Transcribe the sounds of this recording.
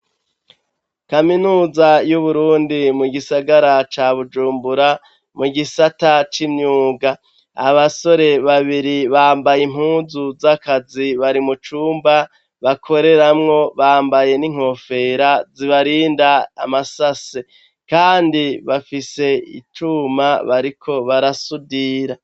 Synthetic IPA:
kaminuːzajuβuɾuːndimuɡisaɡaɾat͡ʃaːβud͡ʒuːmbuɾa | muɡisatat͡ʃimɲuːɡaː | βaso̞ɾe̞βaβiɾiβaːmbajim̥huːzuzakaziβaɾimut͡ʃuːmba | βakʰo̞ɾe̞ɾamŋo̞βaːmbaje̞niŋ̥ho̞fe̞ɾaziβaɾiːndaːmasase | kaːndiβafise̞ḭtumaβaɾikʰo̞βaɾasudiɾa

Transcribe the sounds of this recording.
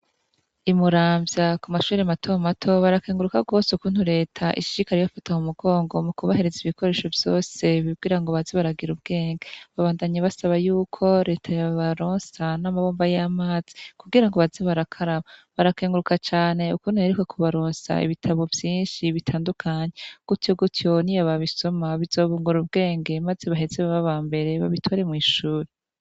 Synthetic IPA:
imuɾaːmbjakumaʃuːɾeamatʰo̞matʰo̞βaɾakeːŋɡuɾukaɡo̞ːsukuːn̥huɾe̞ːtʰaʔḭʃiɾikaɾejofatahumuɡo̞ːŋɡo̞mukuβahe̞ɾe̞ziβikʰo̞ɾe̞ːʃo̞vjo̞ːse̞βibɡiːɾaŋɡo̞βazeβaɾaɡiɾubɡe̞ːŋɡaβaβaːndaɲaβasaβajuːkʰo̞ɾe̞ːtʰajaβaɾo̞ːnsanamaβoːmbajamaːz̥i̥kuɡiɾaŋɡo̞βazeβaɾakʰaɾaβaβaɾakeːŋɡuɾukat͡ʃaːne̞ukunajeɾekwekʰuβaɾoːnsa̰ḭβitʰaβo̞vjiːnʃiβitʰaːndukʰaɲe̞ɡ̥utjo̞ɡutjo̞nijaβaβiso̞maβizo̞ːβuːŋɡuɾubɡe̞ːŋɡe̞maze̞βaɦe̞zeβaβaβaːmbe̞ɾe̞βa̰βitʰwaɾe̞mŋiːʃuːɾe

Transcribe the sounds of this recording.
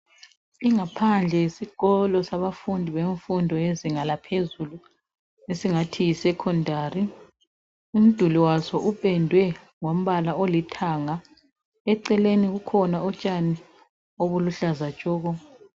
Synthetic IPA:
iŋapʰand͡ɮʱɛisiɣ̥ɔlɔsaβafundʱiβeɱfundʱɔeziŋalapʰezulu | esiŋatʰijisɛkʰɔndʱari | um̩d̥ʱuliwasɔʔupʼɛndʱwɛ | ŋom̩βalaolitʰaŋa | ɛǀɛleniɣukʰɔnaɔt͡ʃʼani | oβuluɬazat͡ʃʼɔːɣɔ

